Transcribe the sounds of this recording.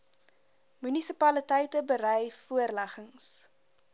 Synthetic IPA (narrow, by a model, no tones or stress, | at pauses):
mynisipɐlətɛjtəbəɾɛjfuərlæχəŋs